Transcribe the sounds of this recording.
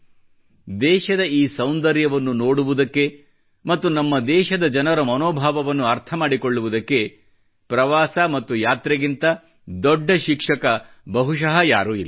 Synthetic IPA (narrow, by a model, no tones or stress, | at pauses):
d̪ɛːʃɐd̪ɐiːsɐwnd̪ɐɾjɐʋɐnːuno̞ːɽuʋud̪ɐkːe̞ | mɐt̪ːunɐmːɐd̪ɛːʃɐd̪ɐd͡ʒɐnɐɾɐmɐnoːbʱaːʋɐʋɐnːuɐɾt̪ʰɐmaːɽikoɭːuʋud̪ɐkːe̞ | pɾɐʋaːsɐmɐt̪ːujaːt̪ɾeɡint̪ɐ | d̪ɔɖːɐʃikʂɐkɐ | bɐɦuʃɐɦɐja̰ːɾuːḭlː